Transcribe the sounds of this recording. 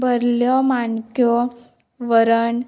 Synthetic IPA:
bʱəɾljɔmankjɔ | ʋəɾəɳ

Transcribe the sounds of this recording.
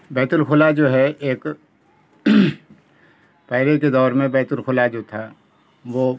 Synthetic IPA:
bɛːt̪ʊlxʰʊlad͡ʒoːɦɛeːk | pɛːɾeked̪ɔːɾmẽbɛːt̪ʊlxʰʊlad͡ʒot̪ʰa | ʋoː

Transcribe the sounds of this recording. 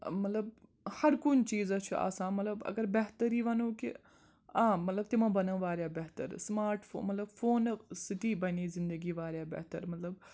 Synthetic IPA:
mɐt̪ləb | hɐɾkʊnt͡ʃiːzaːt͡ʃʰua̰ːsãːmɐt̪ləbɐ̰ɡəɾbɛɦt̪əɾiːʋɐnoːkḭ | ãːmɐt̪ləb̚t̪ɪmãːbɐnə̃ːʋaːɾjaːbɛɦt̪ə̰ɾsmaːɾʈfʰo̰mɐt̪ləbfʰoːnsɪʈiːbɐniːzɪ̃nd̪əɡiːʋaːɾjaːbɛ̰ɦt̪əɾmɐt̪ləb̚

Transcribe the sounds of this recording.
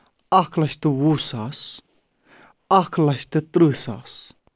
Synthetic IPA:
akʰlɐʃt̪ɨwuːsaːs | akʰlɐʃt̪ɨt̪ɾɨsa̰ːs

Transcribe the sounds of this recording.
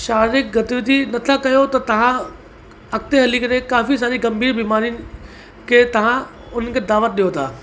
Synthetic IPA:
ʃaːɾɪk̚ɡɐt̪iʋd̪inɐt̪ʰakɐjot̪ɐt̪ɐʋ̤ã | ɐkt̪eɦɐlikəɾekaːfis̬aːɾiɡɐ̃mbʱiːɾbiːmaːɾijʊnɪ̆ | kʰeːt̪ɐʋ̤ã | ʊn̤ənkʰed̪aːʋət̪̚ɗijot̪ʰaː

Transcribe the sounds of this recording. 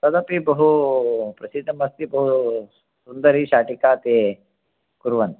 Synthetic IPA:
sɐd̪ɐpibɐɦupɾɐsid̪ʱːɐmɐst̪ibɐɦu | sund̪ɐɾiʃaːʈikaːt̪e | kuɾʋɐn

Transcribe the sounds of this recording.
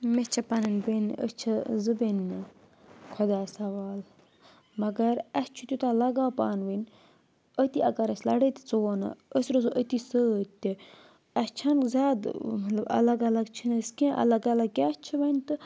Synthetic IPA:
met͡ʃʰɐpɐnɐnbenə̰st͡ʃʰɐzɨbenːɨ | kʰod̪aːsɐʋaːl | mɐɡɐɾɐst͡ʃʰut̪ʲut̪alɐɡaːpa̰ːnʋənʲ | ət̪iʔɐkɐɾɐsʲlɐɽət̪ʲt͡suona̰əsɾozuʔət̪isət̪ʲːi | ɐst͡ʃʰɐnkzʲaːd̪mɐt̪lɐbɐ̰lɐɡɐlɐɡt͡ʃʰinɐskẽʔɐ̰lɐɡɐlɐɡ̚kʲaːt͡ʃʰɐʋɐnʲt̪ɨ

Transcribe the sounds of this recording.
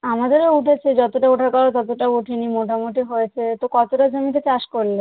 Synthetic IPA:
amad̪eɾeuʈʰet͡ɕʰed͡ʑɔt̪oʈauʈʰakɔɾat̪ɔt̪oʈaboʈʰinimoʈʰamoʈiɦojet͡ɕʰet̪okɔt̪oʈad͡ʑomit̪et͡ɕaʃkoɾle

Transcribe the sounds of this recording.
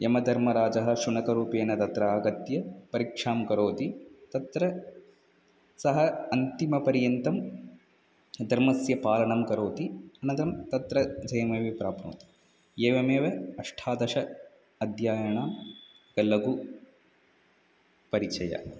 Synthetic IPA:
emɐd̪ʱɐɾmɐɾaːd͡ʒɐɦɐ̆ʃuɳɐkɐɾuːpeːnɐt̪ɐt̪ɾɐaːɡɐt̪jɐpɐɾikʂaːmkɐɾoːt̪it̪ɐt̪ɾɐ | sɐɦɐɐnt̪imɐpɐɾjɐnt̪ɐm | d̪ʱɐɾmɐsjɐpaːlɐɳɐmkɐɾoːt̪iɐnɐd̪ɐɾɐmt̪ɐt̪ɾɐd͡ʒɐjɐmeːʋepɾaːpnṵːt̪i̥ | eːʋɐmeːʋɐɐʂʈʰaːd̪ɐʂɐ | ɐd̪ʱjaːjɐɳaː | ɡɐlɐɡu | pɐɾit͡ʃɐjɐ̰

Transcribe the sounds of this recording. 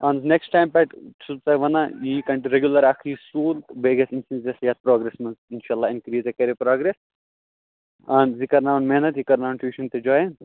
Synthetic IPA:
ɐ̃nzneksʈaːjmpaʈʈʰut͡sɐʋɐnajikɐ̃ɳʈɾeɡʲjulɐɾakʰisuːlbeɡesinsĩnesjat̪̚pɾoːɡɾesmɐnzinʃaːlːaːɪnkɾiːzekɐɾepɾaːɡɾes | ɐnzikɐɾnaːʋɐnmenɐt̪jikɐɾnaːʋnʈʋiːʃɐnt̪ed͡ʒɔːjẽ

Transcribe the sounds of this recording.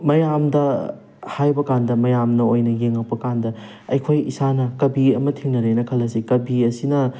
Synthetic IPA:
mɐjamdɐ | hajbɐkandɐmɐjamnɐojnɐjeŋɐk̚pɐkandɐ | ɐjkʰojisanɐkɐbiɐmɐtʰiŋnɐɾenɐkʰɐlɐsikɐbiɐsinɐ

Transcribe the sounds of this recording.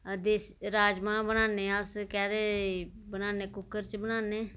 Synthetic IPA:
d̪eːsɾaːd͡ʒmãːbənaːnẽːəskɛːɾeː | bənaːneːkʊkːəɾt͡ʃbənaːnẽː

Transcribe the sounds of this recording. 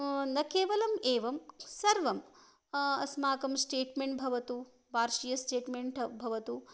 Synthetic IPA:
nɐkeːʋɐlɐmeːʋɐmsɐɾʋɐm | ɐsmaːkɐmsʈeːʈmeɳʈbʱɐʋɐt̪u | bʱaːɾʃijɐsʈeːʈmeɳʈʰɐbʱɐʋɐt̪u

